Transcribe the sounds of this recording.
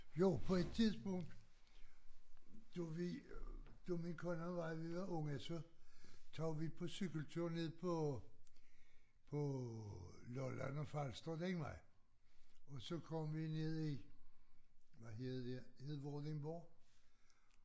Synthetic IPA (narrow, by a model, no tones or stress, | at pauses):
jo̝ʊpʰɒ̽ed̥̚t͡sʰiðˠsb̥ɔ̽ŋ̰d̥ | d̥uʋi | d̥uminkʰɔnɐʋɑ̈ɪʋiʋɑ̈ʔɔ̽ŋəsɒ̽t͡sʰɑʊʋipʰɒ̽syɡ̥əl̩t͡sʰuɐ̰ne̝ð̰ˠpʰɒ | pʰɒ̽ | lɔlænɒfɑlsd̥ɐd̥eŋmɑɪ | ɒ̽sɒ̽kʰɒ̽mʋine̝ð̰ˠi | ʋæɦeðˠd̥ehe̝ðˠʋɔd̥eŋb̥ɔː